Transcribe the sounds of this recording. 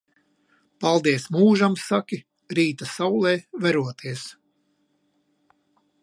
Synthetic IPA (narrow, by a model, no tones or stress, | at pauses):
palˠd̪iɛsmuːʒamsakʲi | ɾiːt̪asawlˠɛːvɛɾuɔt̪ʰiɛs